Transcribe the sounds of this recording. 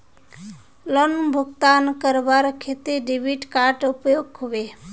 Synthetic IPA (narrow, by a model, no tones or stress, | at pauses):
lənbʱʊɡt̪ankəɾʋaɾkʰet̪eɖiʋiʈkaɾʈʊpjoɡɦuʋe